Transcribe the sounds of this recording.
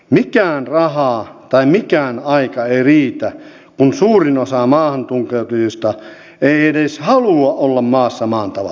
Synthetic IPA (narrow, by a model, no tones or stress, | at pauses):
mikæːnrɑhɑːt̪ɑimikæːnɑikɑeiriːt̪æ | kunsuːrinosɑmɑːhɑnt̪uŋkeut̪ujost̪ɑ | eiedeshɑluɑʔolːɑmmɑːsːɑmɑːnt̪ɑʋɑ̰